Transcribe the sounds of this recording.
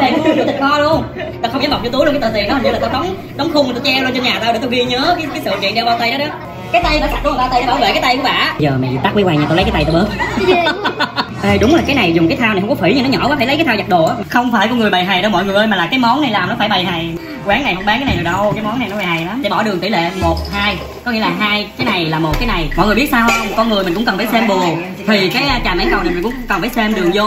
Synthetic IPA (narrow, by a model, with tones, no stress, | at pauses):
a˨˩˨ɨ˧ɗɨ˨˩t̪i˨˩kɔ˧lu˧əŋt̪ːxə˧wŋ͡mza˨˦mɓa˨˩k͡p̚t͡ɕ̪ːlkːt̪ːt̪ḭ˨nɗɔ˨˦hɲɨ˧laː˨˩t̪o˧ɗɔ˨˦wŋ͡m | ɗɔ˨˦wŋ͡mxʊ˧ŋ͡mŋ˨˩t̪o˧wt͡ɕɛ˧wlo˧t͡ɕɲaː˨˩t̪aː˧wɗt̪o˧ɣi˧ɲə˨˦kaː˨˦jkaː˨˦sɨ̰˧˨kḭ˧˨ənɗe˧wɓaː˧wt̪ə˧jɗɔ˨˦ɗɔ˨˦ | kaː˨˦jt̪a˧jva̰ː˧˥sa˨˩u˧˦mː˨˩ɓaː˧w̪jɗe˧˦ɓaː˧˩wvḛ˧˨kaː˨˦jt̪a˧jku˧əɓa̰ː˧˨ʔzəː˨˩mɛ̰˨˩zḭ˨˩t̪a˦˥k̚wi˨˦waː˧ŋɲaː˨˧˩o˧lə˦kaː˨˦t̪a˧jt̪o˧˩ɓəː˦˥t̚ | ʔə˧ɗʊ˨˦ŋ͡mlaː˨˩kaː˨˦jna˨˩jzʊ˨˩ŋ͡mkaː˨˦jt̪ʰaː˧wna˨˩jhŋ͡mkɔ˦fwḭ˧˩˦ɲɨ˧ŋnɔ˨˦ɲɔ̰˧˩vaː˨˦fʰaː˧˩jlkaː˨˦t̪ʰːwza˨˩ɗo̰˨ʔaː˨˦˨xə˧wŋ͡mfaː˧˩jkɔ˧ŋɨ˨˩əjɓa˨˩jɦa˨˩jɗə˧wmɔ̰˧˨jŋɨ˨˩əjmaː˨˩laː˨˩kaː˨˦jmɔ˨˦na˨˩jlaː˨˩mnɔ˨˦faː˧˩jɓa˨˩jɦa˨˩j | kwaː˨˦ŋːa˨˩jhɦə˧ŋ͡mɓaː˨˦ŋkːaː˨˦jna˨˩ɗɨ˨˩ɗə˧wkaː˨˦jmɔ˨˦na˨˩jnɔ˨˦ɓha˨˩jla˨˦mɗe˧˩˦ɓɔ˧˩ɗɨ˨˩ət̪i˧˩˦lḛ˧˨mo˨˩t̚haː˧j | kɔ˨˦ŋi˧əlaː˨˩ɦaː˧jkaː˨˦jna˨˩jlaː˨˩mo˨˩t̚kaː˨˦jna˨˩jmɔ̰˧˨jŋ˨˩ɓi˦˥t̚saː˧whə˧wŋ͡mkɔ˧nŋɨ˨˩əjm˨˩ŋkʊ̰˧˥ŋ͡mkə˨˩nfaː˧˩sɛ˧mɓu˨˩ə | t̪ʰi˨˩kaː˨˦jt͡ɕaː˨˩ma˨˦jkwna˨˩jmï̟˨˩kʊ̰˧˥ŋ͡mŋ͡mkə˨˩nfaː˧˩jsɛ˧mɗɨ˨˩əzo˧